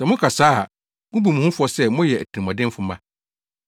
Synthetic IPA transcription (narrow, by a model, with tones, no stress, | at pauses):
sɛ˨mʊ̃˦kʰa˨saː˦˨ | mʊ̃˦bu˨mũ˨hʊ̃˦fʊ˦ɔ˦sɛ˦˨mʊ̃˦jɛ˨æ˨tʰi˨i˨mɔ̃˨dɪ̃˦m˦fʊ˨mã˦˨